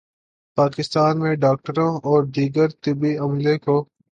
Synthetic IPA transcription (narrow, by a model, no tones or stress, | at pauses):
paːkɪst̪aːnmẽɖaːk̚ʈəɾõɔːɾd̪iːɡəɾt̪ɪbiɐmlẽkoː